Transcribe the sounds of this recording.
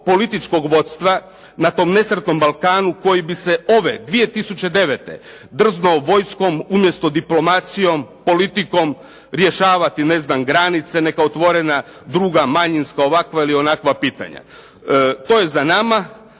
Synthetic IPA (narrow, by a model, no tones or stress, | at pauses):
po̞lit̪it͡ʃko̞ɡʋo̞t̪st̪ʋa | nat̪o̞mne̞sɾet̪no̞mbalˠkaːnuko̞jibise̞o̞ʋe̞d̪ʋije̞t̪isut͡ɕe̞d̪e̞ʋet̪ḛ | d̪r̩znooʋo̞jsko̞mumje̞st̪o̞d̪iplo̞mat̪sijo̞mpo̞lit̪iko̞m | ɾje̞ʃaːʋat̪ine̞znamɡɾanit̪se̞ne̞kaot̪ʋo̞ɾena | d̪ɾuːɡamaɲinskao̞ʋakʋailio̞nakʋapiːt̪a̰ɲa̰ | t̪o̞je̞zanama